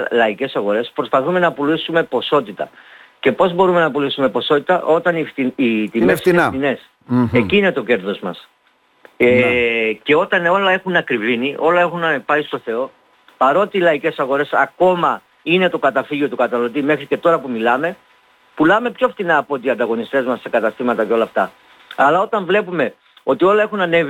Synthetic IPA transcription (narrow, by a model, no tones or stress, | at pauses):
lɐice̞sɐɣo̞ɾe̞spɾo̞spɐθume̞nɐpulisume̞po̞so̞t̪it̪ɐce̞po̞zbo̞ɾume̞nɐpulisume̞po̞so̞t̪it̪ɐʔo̞t̪ɐnifiit̪imefsinet̪ine̞s | eciːne̞t̪o̞ce̞ɾðo̞zmɐs | ece̞o̞t̪ɐno̞lɐe̞xunɐkɾiviniʔo̞lɐe̞xunpɐist̪o̞θe̞o̞ | pɐɾo̞t̪eilɐice̞sɐɣo̞ɾe̞sɐ̰ko̞mɐ | ine̞t̪o̞kɐt̪ɐfiʝo̞t̪ukɐt̪ɐnɐlo̞t̪̬ime̞xɾice̞t̪o̞ɾɐpumilɐme̞ | pulɐme̞pçoft̪inɐːpo̞t̪iɐnd̪ɐɣo̞nist̪e̞zmɐsːekɐt̪ɐst̪imɐt̪ɐco̞lɐft̪ɐ | ɐlɐo̞t̪ɐɱvle̞pume̞ | o̞t̪io̞lɐe̞xunɐne̞v